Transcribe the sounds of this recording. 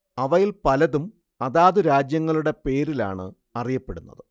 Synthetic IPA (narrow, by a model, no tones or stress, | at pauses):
ɐʋɐjilpɐlɐðum | ɐðaːðuɾaːd͡ʑjɐŋːɐɭuɽe̞pe̞ːɾila̰ːɳɨ | ɐrijɐpːe̞ɽunːɐ̰ðɨ